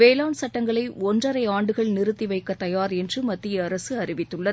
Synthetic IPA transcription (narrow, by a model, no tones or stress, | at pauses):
ʋeːlaːnsɐʈːɐŋɡɐɭɐɪɔndrɐɾɐɪaːɳɖɯɣɐɭnɪɾɯt̪ːiʋɐɪkːɐt̪ːɐjaːɾɛndrɯmɐt̪ːɪjɐːɾɐsɯɐɾɪʋɪt̪ːɯɭːɐð